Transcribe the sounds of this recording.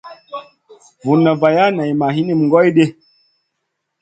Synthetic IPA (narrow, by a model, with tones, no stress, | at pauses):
vu˨nːa˨va˨ja˦na˨jma˨ɦi˦ni˦m˨ŋɡɔ˦jɗe˦